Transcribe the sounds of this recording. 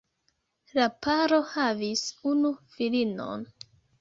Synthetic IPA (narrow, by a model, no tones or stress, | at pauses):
lapaɾo̞havisunufilino̰n